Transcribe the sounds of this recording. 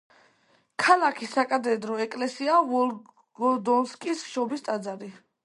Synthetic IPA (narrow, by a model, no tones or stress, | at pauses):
kʰalakʰisakʼad̪ɛd̪ɾɔɛkʼlɛsiavɔ | ɡɔd̪ɔnskʼisʃɔbist̪ʼad̪zaɾi